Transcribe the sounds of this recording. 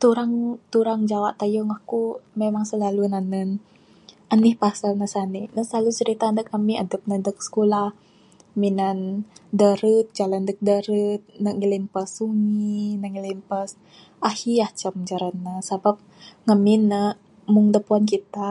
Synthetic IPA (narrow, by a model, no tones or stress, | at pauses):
t̪uɾaŋt̪uɾaŋd͡ʒawaʔt̪ajoŋakumemaŋsəlalunanən | ʔanihpasalnəsanihnəslalut͡ʃəɾit̪aːndəkːəmiadəp̚nədək̚sə̥kulah | minandəɾət̪̚d͡ʒalandək̚dəɾət̪̚nəʔŋilimpəsːuŋinəŋilimpəs | ahiaht͡ʃəmd͡ʒaɾanːəsabap̚ŋəminːə | mʊŋdəpuankit̪a